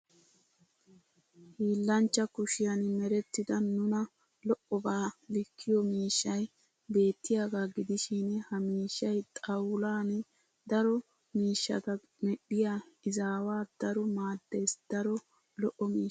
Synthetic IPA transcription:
hiːlːɐnt͡ʃːɐkʊʃɪjɐnɪmɛɾɛt̪ːɪd̪ɐnʊnɐ | lɔʔɔbaːlɪkʰːɪjɔmiːʃːɐj | be̞ːt̪ːɪjaːɡaːɡɪd̪ɪʃinɛhɐmiːʃːɐjt̪ʼɐwlaːn | d̪ɐɾɔ | miːʃːɐ̰t̪ɐ | mɛɗɪjaɪzaːwaːd̪̥ɐɾɔmaːd̪ːesd̪̥ɐɾɔ | lɔʔɔmiː

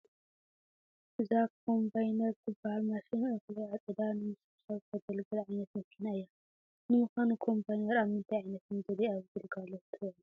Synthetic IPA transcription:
ʔɨzakʰo̞mbajnɐɾzɨbːahalmasinʔɨxliat͡sʼɨd̪anɨmɨs | sɐβt̪ʰɐɡɐlɡɐlʕajnɐt̪̚mɐkʰːinaɨjːa | nɨmɨxanukʰo̞mpʰajnɐɾaβhɨnt̪ʰajʕajnɐt̪ɨnzɐliaβɨɡɨlɡalːot̪ʰɨβʕlu

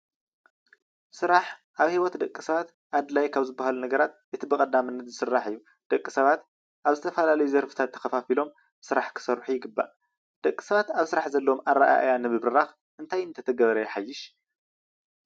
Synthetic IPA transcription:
sɨɾaħʔaβhiwɔt̪d̪ɐkʼːisɐβat̪ | ʔad̪lajkʰaβzɨbːahalunɐɡɐɾat̪ʔɨt̪ʰibɨkʼɐd̪amɨnːɐt̪zɨsɨrːaħɨjːu | d̪̥ɐkʼːisɐβat̪ | ʔaβzɨt̪ʰɐfɐlalɐjuzɐɾfɨ̥t̪ʰat̪ʰːɐ̥xɐfafilo̞m | sɨɾaħkʰɨ̥sɐɾħujɪɡɨbːa̰ʔ | d̪̥ɐkʼːisɐβat̪aβsɨɾaħzɐlːomaɾːa̰ʔa̰ʔa̰janɨbɨβɾɨɾax | ʔɨnt̪ʰajɨnt̪ʰɐt̪ʰɐɡɐβɐɾɐjɛħajːɪʃ

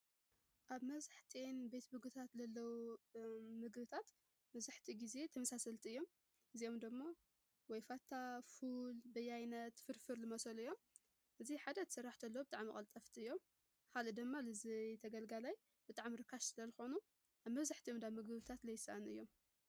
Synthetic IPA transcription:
ʔaβmɐβzaħt̪ʰinbe̞t̪bɨɡut̪ʰat̪zɐlːɐwu | mɨɡβɨt̪ʰat̪ | mɐβzaħt̪ʰiɡize̞t̪ʰɐmɐsasɐlt̪ʰiɨjːo̞m | ʔɨzio̞md̪ɨmːo | wɔjfat̪ʰːafulbɐjajnɐt̪fɨɾfɨɾlɨmɐsɐlɨjːo̞m | ʔɨziħad̪ɐt̪ʰsɐraħt̪ʰɐlːɐwubɨt̪ʼaʕmikʼɐlt̪ʼɐft̪ʰiɨjːo̞m | kʰalɨd̪ɨmːalɨzit̪ʰɐɡɐlɡalaj | b̥ɨt̪ʼaʕmiɾɨkʰːaʃsɨlɐzɨxo̞nu | ʔaβmɐβzaħt̪ʰiomd̪aβmɨɡɨβɨt̪ʰat̪lɐjɪsa̰ʔanɨjːo̞m

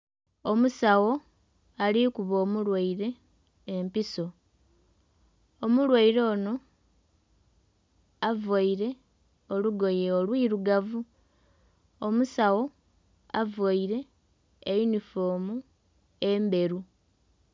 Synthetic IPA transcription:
o̞musawo̞ | alikuβo̞ːmulwaiɾe̞ː | mpiso̞ | omulwaiɾo̞ːno̞ | avwaiɾe̞ | o̞luɡo̞jeolwiːɾuɡavu | omusawo̞ | avwaiɾe̞ː | junifo̞ːmu | embe̞ɾu

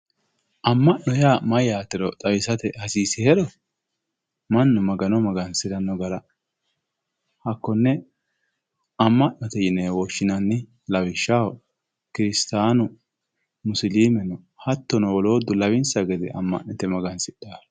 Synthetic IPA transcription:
ʔɐmːɐʔɔjaːmɐjaːt̪ɛɾɔt̪ʼɐwɪsɐt̪ɛhɐsiːsɪhɛɾɔ | mɐnːʊmɐɡɐnɔmɐɡɐnsɪd̪ɐnːɔɡɐɾɐ | hɐkːɔnːɛ | ɐmːɐʔnɔt̪ɛjɪnɛwɔʃːɪnɐnːɪ | lɐwɪʃːawɔ | kɪɾɪst̪aːnʊ | mʊsliːmɛnɔ | hɐt̪ːɔnɔwɔlo̞ːd̪ːʊlɐwɪnsɐɡɛd̪ɛʔɐmːɐ̰ʔnɛt̪ɛmɐɡɐnsɪɗaːɾ

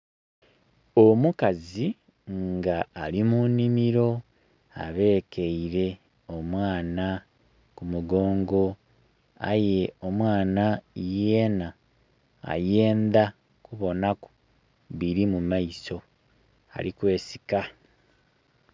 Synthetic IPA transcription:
omukazi | ŋɡaːlimunimiɾo̞ | a̰βe̞ːkʰeiɾe̞ | o̞mwaːna | kumuɡo̞ːŋɡo̞ | a̰je̞o̞mwaːnajena̰ː | je̞ːnd̪a | kuβo̞nako̥ | βiɾimumaiso̞ | a̰likwe̞ːsi̥ka

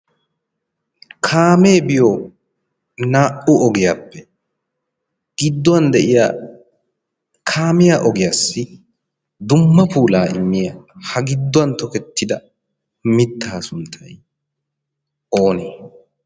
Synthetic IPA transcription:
kʰaːmeːbɪjoː | naːʔʊɔɡɪjaːpːɛ | ɡ̥ɪd̪ːɔɐnd̪ɛʔɪja̰ː | kʰaːmɪjaːʔɔɡɪjasːɪ | d̪ʊmːɐpʰuːlaːɪ̰mːɪjɐhɐɡɪd̪ːɔɐnt̪ɔkɛt̪ːɪd̪ɐ | mɪt̪ːaːsʊnt̪ʰːɐj | oːne

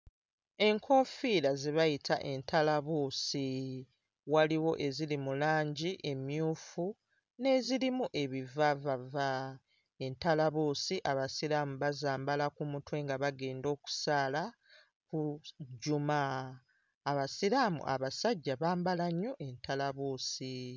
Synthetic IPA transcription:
e̞ŋkʰo̞filaziβajitʰaʔe̞ntʰalaβusi | waliwo̞ʔe̞zilimulaːɲɟiʔe̞mjuːfu | ne̞zilimuʔe̞βivavava | e̞ntalaβuːsiʔaβasilamuβazaːmbalakumutwe̞ːŋɡaβaɡe̞ːndo̞ːku̥saːla | kuɟumaː | βasiɾamṵʔa̰βasaɟːaβaːmbalaɲːo̞ʔe̞ntalaβuːsi

